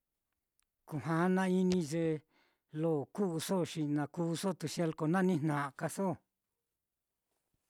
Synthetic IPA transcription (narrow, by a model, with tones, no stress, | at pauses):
ku˨ɦã˨˦nã˧i˦nĩ˧ʒe˧ | lo˦˨ku˦ʔu˧so˦ʃi˧nã˧ku˦˧so˦˨t̪u˧ʃje˧lko˧nã˦˧nĩ˦n̥nã˨ʔa˧ka˧so˦˨